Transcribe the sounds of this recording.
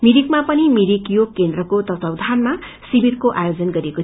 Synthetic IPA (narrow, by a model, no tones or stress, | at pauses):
miɾik̚mapʌnimiɾikjokend̪rʌkot̪ʌt̪ʌwd̪ʱanma | sibirkoʔajod͡zʌnɡʌɾeko